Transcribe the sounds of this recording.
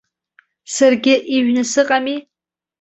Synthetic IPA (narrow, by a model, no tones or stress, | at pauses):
sarɡʲɪʔiʒnɨsɨqʼami